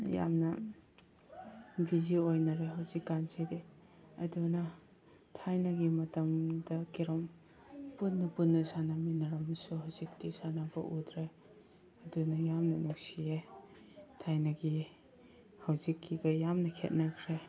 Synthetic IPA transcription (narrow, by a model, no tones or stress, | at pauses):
ja̰mnɐ | biziojnɐɾeɦawzikːanzide | ɐ̰dunɐ | tʰajnɐɡimɐtɐmdɐkiɾɔm | punːupunːɐsanaminɐɾɐmsuɦawzik̚disanabɐ̰ʔudɾe | ɐdunɐjamnɐnuksie | tʰajnɐɡi | hawzikːiɡɐjamnɐkʰḛt̚nɐkʰɾe